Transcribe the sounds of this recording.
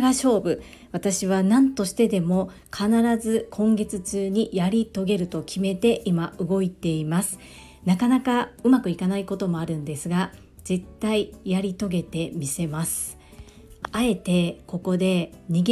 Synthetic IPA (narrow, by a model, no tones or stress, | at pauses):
ɡaɕo̞ːbɯ̟ | βat̪aɕiβ̞anãnt̪o̞ɕi̥t̪e̞d̪e̞mo̞ | kʰanaɾazɨkʰõ̞ŋɡe̞t͡sɨt͡ɕɨːɲ̟ijaɾʲit̪o̞ɡe̞ɾɯ̟t̪o̞kʲʰime̞t̪e̞ʔimaɯ̟ɡo̞it̪e̞imasɨ̥ | nakanakaɯ̟makɯ̟ikanaiko̞t̪o̞mo̞aɾɯ̟̃nd̪e̞sɨɡa | z̥e̞t̪ːaijaɾʲit̪o̞ɡe̞t̪e̞mʲise̞masɨ̥ | ae̞t̪e̞ko̞ko̞d̪e̞ɲ̟iɡ